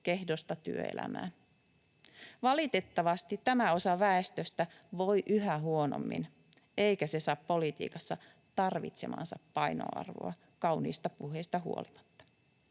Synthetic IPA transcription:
kehdo̞st̪ɑt̪y̰ø̰ḛlæ̰mæ̰ːn | ʋɑlit̪e̞t̪ːɑʋɑst̪it̪ːæmæo̞sɑʋæest̪øst̪æ | ʋo̞jʔyɦæɦuo̞no̰mːḭn | e̞ikæsesɑːppo̞lit̪ḭːkɑsːɑ | t̪ɑrʋḭt̪se̞mɑ̰ːnsɑppɑjno̰ɑ̰rʋo̰ɑ | kɑwnḭːst̪ɑpuɦest̪ɑɦṵolimɑ̥t̪ːɑ̥

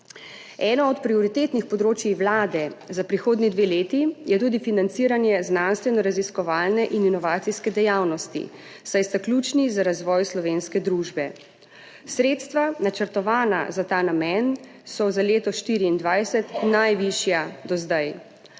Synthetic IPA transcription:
ɛːnɔɔt̪pɾiɔɾit̪eːt̪nixpɔd̪ɾoːt͡ʃjiwlaːd̪ɛzapɾixoːd̪nid̪ʋeːleːt̪ijɛt̪uːd̪ifinant̪siːɾanjɛznanst̪ʋɛnɔɾaziskɔʋaːlnɛʔininɔʋaːt̪siskɛd̪ɛjawnɔst̪ḭ | sajst̪aklʲuːt͡ʃnizaɾazʋɔːjslɔʋenskɛd̪ɾuːʒbɛ | sɾeːt̪st̪ʋanat͡ʃəɾt̪ɔʋaːna̰zat̪aːnamɛn | sɔzaleːt̪ɔʃt̪iːɾiːnd̪ʋajsɛt̪najʋiʃjad̪ɔzd̪aj

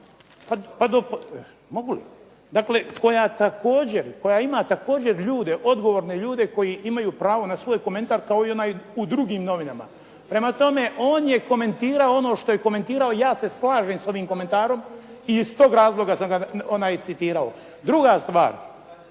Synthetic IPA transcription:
papad̪op | mo̞ɡulḭ | d̪akle̞ko̞jat̪ako̞ːd͡ʑe̞ɾko̞jaimat̪ako̞ːd͡ʑe̞ɾʎuːd̪e̞ʔo̞d̪ɡo̞ʋoɾne̞ʎuːd̪e̞ko̞jiʔimajuːpɾaːʋo̞nasʋo̞ːjko̞me̞nt̪aɾkao̞io̞naːjud̪ɾuɡiːmno̞ʋinama̰ | pɾe̞mat̪o̞me̞ʔo̞ːnje̞ko̞me̞nt̪iːɾaoo̞no̞ːʃt̪o̞jeko̞me̞nt̪iːɾao̞jaːse̞slˠaːʒemso̞ʋiːmko̞me̞nt̪aːɾo̞mist̪o̞ːɡɾaːzlˠo̞ɡasamɡaonaːjt̪sit̪iːɾao̞ | d̪ɾuɡast̪ʋa̰ːɾ

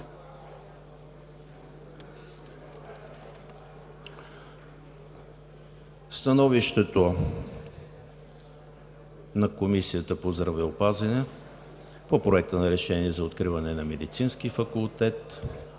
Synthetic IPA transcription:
st̪ɐnɔviʃt̪ɛt̪o | nɐkomisiət̪əpozd̪ɾɐvɛopazɐnɛ | popɾoɛk̚t̪ənɐɾɛʃɛniɛzɐot̪̚kɾivɐnɛnɐmɛd̪it̪sinsk̟ifɐkulˠt̪ɛt̪

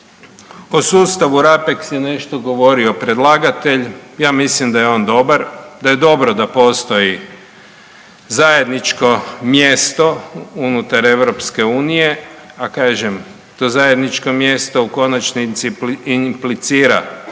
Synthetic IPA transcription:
osuːst̪aʋuɾapeksjene̞ʃt̪o̞ɡo̞ʋo̞ɾio̞pɾʲe̞d̪lˠaːɡat̪e̞ʎjaːmislimd̪ajeo̞ːnd̪o̞baɾd̪aje̞d̪o̞bɾod̪apo̞st̪o̞ji | zaje̞d̪nit͡ʃko̞mje̞st̪o̞unut̪aɾe̞ʋɾopske̞uːnije̞ | akaːʒem | t̪ozaje̞d̪nit͡ʃkomje̞st̪ouko̞nat͡ʃniiimplit̪siːɾa̰

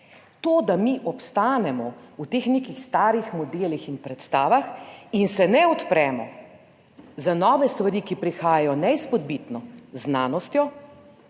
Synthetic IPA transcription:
t̪oːd̪amiʔɔpst̪aːnɛmɔut̪eːxnekixst̪aːɾjixmɔd̪eːlixinpɾɛt̪st̪aːʋaxinsɛnɛɔt̪pɾɛːmɔ̰ | zanɔːʋɛst̪ʋaɾikipɾixaːjajɔnɛispɔd̪bit̪nɔznaːnɔst̪jɔ

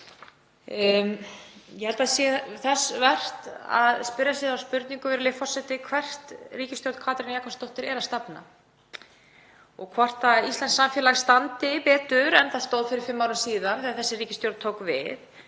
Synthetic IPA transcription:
jɛhɛlt̪asjɛθɛsvɛr̥t̪a̰ðspɪɾjasjɛðawspʏɾt̪niŋkʏvɛɾlɪfɔsɛt̪ɪkʰvɛr̥t̪riːcɪst̪jowɾt̪kʰvaːt̪ɾɪnjaːkʰanst̪owht̪ɪɾɛɾast̪apna̰ | ɔɣkʰvɔr̥t̪aist̪lɛnsːamfjɛlaɣst̪ant̪ɪpɛːt̪ʏɾɛnθaðst̪owðfɪɾɪɾ̥fɪmːawɾɪsiːðanθiaɾθɛsːɪriːcɪst̪jowɾt̪t̪ʰoːwkvɪ̰θ

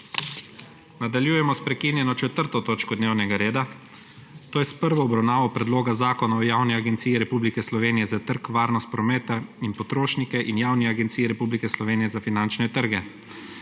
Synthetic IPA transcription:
nad̪aljuːjɛmɔspɾɛkiːnjɛnɔt͡ʃɛt̪əɾt̪ɔt̪oːt͡ʃkɔd̪neːwnɛɡaɾeːd̪a | t̪oːjɛspəɾʋɔːbɾawnaːʋɔpɾɛd̪loːɡazaːkɔnaɔjaːwnɛaɡɛnt̪siːiɾɛpuːblikɛslɔʋeːnijɛzat̪əɾkʋaːɾnɔst̪̚pɾɔmɛːt̪ainpɔt̪ɾoːʃnikɛʔinjaːwniaɡɛnt̪siːɛɾɛpublikɛslɔʋeːnijɛzafinant͡ʃnɛt̪əɾɡɛ

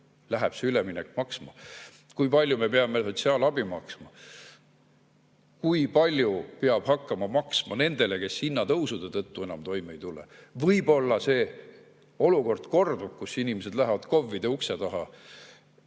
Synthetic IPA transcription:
læɦɛb̥seylemineɛkːmɑksmɑ | kujpɑlʲjume̞peɑmeso̞t̪siɑːlɑb̥imɑksmɑ | kujpɑlʲjupeɑb̥hɑkːɑmɑmɑksmɑ̰ne̞nd̪̥e̞leke̞shinːɑt̪ɤ̞wsud̪̥et̪ɤ̞t̪ːue̞nɑmt̪o̞jmeejt̪ulevɤjbo̞lːɑse̞ː | o̞luko̞rd̪̥ko̞rd̪ub̥kusinimese̞d̪̥læɦvɑd̪̥ko̞vːid̪eukse̞t̪ɑɦɑ

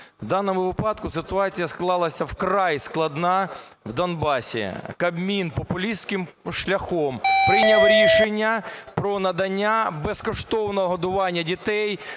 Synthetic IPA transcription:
wd̪ɑnɔmʊʋɪpɑd̪kʊsɪt̪ʊɑt͡sʲijɐsklˠɑlˠɐsʲɐwkɾɑjsklˠɐd̪nɑ | wd̪ɐnbɑsʲḭkɐbmʲinpɔpʊlʲiskɪm | ʃlʲɐxɔmpɾɪjnʲɐwɾʲiʃenʲːɐpɾɔnɐd̪ɐnʲːabeskɔʃt̪ɔwnɔɔɦɔd̪ʊʋɑnʲːɐdʲit̪ɛj

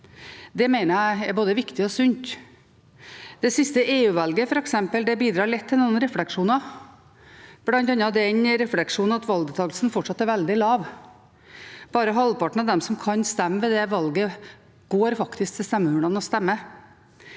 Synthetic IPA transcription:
d̪ɛmeɪnəɾææɾboːd̪əʋɪkt̪ɪɔsʉnt̪ | d̪̥ɛsɪst̪əʔeːʉːʋɑlɡəfɔɾɛksɛmpəld̪ɛbiːd̪ɾɑːɾɭɛt̪ʰːɪlnuːnɾɛflɛkʂuːnɑ | b̥lɑnt̪ɑnːɑd̪ɛnɾɛflɛkʂuːn̩ɑt̪ʋɑld̪ɛt̪ʰɑːɡl̩sn̩fɔʈʂɑt̪ːæɾʋɛld̪ɪlɑːʋ | b̥ɑːɾəɦɑlːpɑʈɳ̩ɑd̪ɛmsɔmkʰɑnst̪ɛmːəʋɛd̪ɛʋɑlɡə | ɡ̥oːɾfɑkt̪ɪsk̚t̪ʰɪlst̪ɛmːəhʉːɳɑnəɔst̪ɛmːə

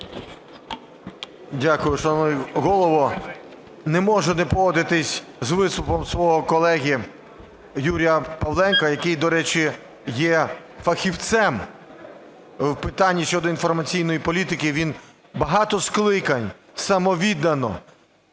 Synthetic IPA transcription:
dʲakʊjʊʃt͡ʃɔmɔjɦɔlˠɔʋɔ | nemɔʒɛnɛpɔʋɔd̪ɪt̪ɪsʲzʋɪst̪ʊpɔmsʋɔɦɔkɔlˠɛɦʲi | juɾʲijɐpɐʋlˠɛnkɐjɐkɪjd̪ɔɾɛt͡ʃɪ | jɛ | fɐxʲiwt̪sɛm | wpɪt̪ɑnʲːiʃt͡ʃɔd̪ɔinfɔrmɐt͡sʲijnɔjipɔlʲit̪ɪkɪʋʲin | bɐɦɑt̪ɔsklˠɪkɐnʲ | sɐmɔʋʲid̪ɐnɔ̰

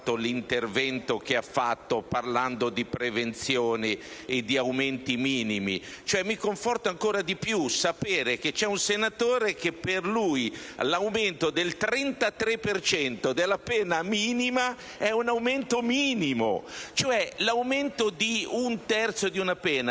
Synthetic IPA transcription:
t̪ːolint̪ervɛnt̪ok̟eafːat̪ːoparland̪od̪ipɾevent̪sjoːneed̪ːiawment̪imiːnimḭt͡ʃoɛmːikoɱfɔrt̪aŋkoːɾad̪ipjusapeːɾek̟et͡ʃɛunsenat̪oːɾekepːerlujlawment̪od̪elt̪ɾɛnt̪at̪ɾepːert͡ʃɛnt̪od̪elːapɛːnamiːnima | ɛunawment̪omiːnimo̰t͡ʃoɛlawment̪od̪iunt̪ɛrt̪sod̪iunapɛːna

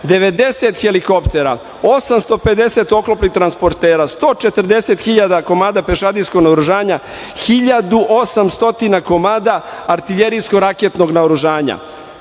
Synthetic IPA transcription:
d̪e̞ʋe̞d̪e̞set̪xeliko̞pt̪e̞ɾa̰ | o̞samst̪o̞pe̞d̪e̞se̞t̪o̞klopnit̪ɾanspo̞ɾt̪eːɾast̪o̞ːt͡ʃe̞t̪rd̪e̞set̪xiʎad̪ako̞maːd̪ape̞ʃad̪isko̞ɡnaoɾuʒaːɲa | xiʎad̪uʔo̞samst̪o̞t̪inako̞maːd̪aːɾt̪iʎeɾijskoɾaket̪no̞ɡnaoɾuʒaːɲa̰

